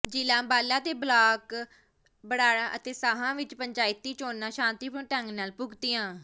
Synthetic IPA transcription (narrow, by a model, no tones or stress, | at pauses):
d͡ʒiːlãːbaːlaːt̪eːblaːk | bəɽaːɽãːʔət̪eːsaːɦãːʋɪt͡ʃpəɲd͡ʒaːɪt̪ːiːt͡ʃoːnːãːʃãːnt̪iːpʊʈəŋɡnaːlpʊɡt̪ɪjãː